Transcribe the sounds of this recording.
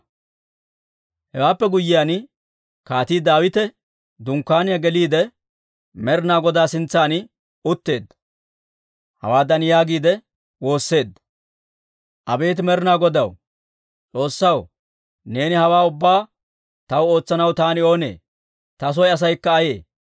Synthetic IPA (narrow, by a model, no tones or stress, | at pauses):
hɛwaːpːɛɡʊjːɪjaːn | kaːt̪iːd̪aːwɪt̪ɛ | d̪ʊŋkːaːnɪjɐɡɛliːd̪ɛ | mɛɾɪnaːɡɔd̪aːsɪnt͡sːaːn | ʊt̪ːe̞ːd̪ːɐ | hɐ̰waːd̪ɐnjaːɡiːd̪ɛ | wo̞ːsːe̞ːd̪ːɐ | ʔɐbe̞ːt̪̬ɪmɛɾɪnaːɡɔd̪ɐw | t͡sʼo̞ːsːɐw | ne̞ːnɪhɐwaːʊbːaː | t̪ɐwo̞ːt͡sːɐnɐwt̪aːnɪo̞ːnḛː | t̪ɐs̬ɔjɐs̬ɐjkːɐːje̞ː